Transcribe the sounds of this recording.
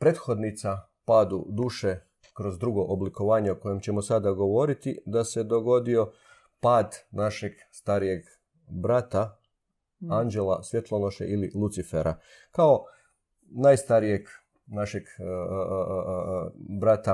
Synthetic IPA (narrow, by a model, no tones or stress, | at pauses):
pɾet̪xo̞d̪nit̪sa | paːd̪ṵd̪uːʃe̞ | kɾo̞zd̪ɾuɡo̞ʔobliko̞ʋaːɲeoko̞je̞mt͡ɕe̞mosad̪aɡo̞ʋo̞ɾit̪id̪ase̞d̪o̞ɡo̞d̪io̞ | paːd̪naʃe̞ɡ | st̪aɾije̞ɡ | bɾat̪a | and͡ʒe̞lasʋje̞t̪lˠonoʃḛʔililˠut̪sifeɾʔa̰ | kao̞ | naːjst̪aɾije̞ɡ | naʃeɡ | bɾat̪a